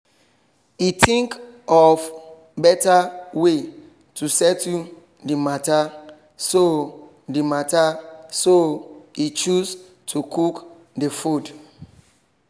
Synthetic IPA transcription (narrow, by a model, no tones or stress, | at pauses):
itʰĩŋkɔf | bɛtawe | tʰusɛtu | dimata | so | dimatasoit͡ʃus | tʰukʰuk | difud